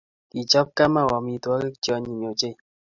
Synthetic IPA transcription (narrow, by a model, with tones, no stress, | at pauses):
ki˨t͡ʃɔ˦p̚ka˦ma˦wɔ˨mi˨twɔ˦ke˦t͡ʃjɔ˧ɲi˨m˨o˨t͡ʃe˦˨